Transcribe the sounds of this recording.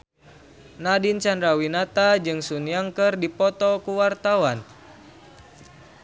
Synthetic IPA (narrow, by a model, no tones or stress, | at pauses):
nadint͡ʃandɾawinat̪ad͡ʒɨŋsunjaŋkərdipɔt̪ɔkuwart̪awan